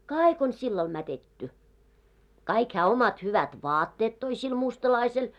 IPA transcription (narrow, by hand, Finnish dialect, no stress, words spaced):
kɑːik on silːɑl mætetːy kɑik hæː omɑt hyʋæt ʋɑːtːeːt toi sil mustɑlɑisel